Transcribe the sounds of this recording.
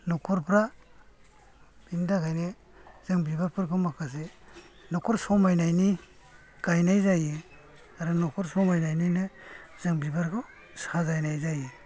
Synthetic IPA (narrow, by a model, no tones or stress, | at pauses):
nɔkʰɔɾpʰɾa | bindaɡajne | z̥ɯŋbibaɾpʰɯɾɡɯmakʰas̬e | nɔkʰɔɾsɔmajnajni | ɡ̥ajnajzaji | aɾɯnɔkʰɔɾsɔmajnajninɯz̥ɯŋbibaɾɡʰɯ | sazajnajzaji